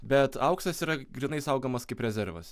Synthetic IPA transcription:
bʲɛt̪ɐʊksʲt̪ɐsiːɾɐɡɾʲinɐɪsɐʊɡomɐskɐɪpɾʲɛzʲɛɾʋɐ̰s

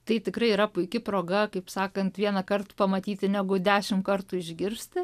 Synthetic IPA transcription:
t̪ɐɪt̪ʲɪkɾɐɪiːɾɐpʊɪkʲɪpɾoːɡɐkɐɪpsɑːkɐnt̪ʋʲiɛnɐkɐrt̪pɐmɐt̪ʲiːt̪ʲɪnʲɛɡʊd̪ʲæːʃʲɪmkɐrt̪uɪʒʲɡʲɪɾʲsʲt̪ʲɪ

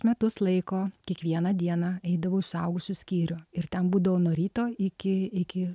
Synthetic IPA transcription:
mʲɛt̪ʊslˠɐɪkoːkʲiɛkʋʲiɛnɐd̪ʲiɛnɑɛɪd̪ɐʋoːɪʃsʊɐʊɡʊsʲusʲkʲiːɾʲʊɪɾt̪ʲɛnbuːd̪ɐʋoːnoːɾʲiːt̪oːɪkʲɪɪkʲɪ

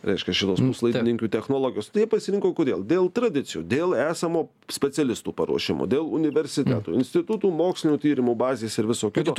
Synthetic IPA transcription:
ɾʲɛ̰ɪʃʲkʲɛʃʲɪt̪oːspuslˠɐɪɪnʲɪŋʲkʲuːt̪ʲɛxnoːlˠoːɡʲɪjoːst̪jiɛpɐsʲɪɾʲɪŋkoːkoːd̪ʲeːlˠd̪ʲeːlˠt̪ɾɐd̪ʲɪt̪sʲɪjṵːd̪ʲeːlˠæːsɐmoː | sʲpʲɛsʲɛlʲɪst̪uːpɐɾuɔʃʲɪmo̰ːd̪ʲeːlˠʊnʲɪʋʲɛɾʲsʲɪt̪ʲæt̪ṵːɪnʲsʲt̪ʲɪt̪ut̪uːmoːksʲlʲɪnʲuːt̪ʲiːɾʲɪmubɑːzʲeːsɪɾʋʲɪsoːkʲɪt̪oː

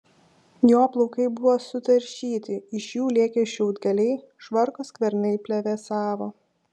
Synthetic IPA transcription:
joːplˠɔʊkɐɪbʊʋoːsʊt̪ɐɾʲʃʲiːt̪ʲɪɪʃjuːlʲeːkʲɛʃʲuʊd̪ɡʲɐlʲɛɪ | ʃʋɐɾkoskʋʲɛɾnɐɪpʲlʲɛʋʲɛsɑːʋoː

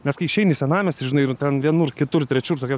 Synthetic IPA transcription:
nʲɛskɐɪʃʲɛɪnʲɪsʲɛnɑːmʲɛsʒʲɪnɐɪɪrtʲɛnʋʲiɛnuːrkʲɪt̪ʊrt̪ʲɾʲɛt͡ʃʲuːrt̪okʲɛː

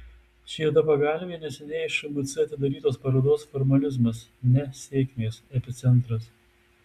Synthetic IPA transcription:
ʃʲiɛd̪ɐpɐɡɑˑlʲʋʲeːnʲɛsʲɛnʲɛɪʃʊmʊt̪sʲɪɐt̪ʲɪd̪ɐɾʲiːt̪oːspɐɾoːd̪oːsfɔɾmɐlʲɪzmɐs | nʲɛsʲeːkʲmʲeːsɛpʲɪt̪sʲɛnˑt̪ɾɐs

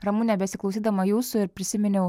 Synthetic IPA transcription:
rɐmuːnʲɛbʲɛsʲɪklˠoʊsʲiːd̪ɐmɐjuːsʊɪɾpʲɾʲɪsʲɪmʲɪnʲo

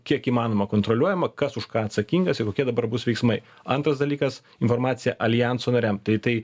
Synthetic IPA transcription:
kʲiɛkiːmɑːnoːmɐkoːnt̪ɾolʲuɔjɛmɐkɐsʊʃkɑːɐt̪sɐkʲiːŋɡɐsɪkoːkʲiɛd̪ɐbɐɾbʊsʋʲɛɪksmɐɪ | ɐnt̪ɾɐsd̪ɐlʲiːkɐs | ɪnfoːɾmɑːt̪sʲɪjɛʔɐlʲɪjænsoːnɐɾʲɛmt̪ɐɪt̪ɐɪ

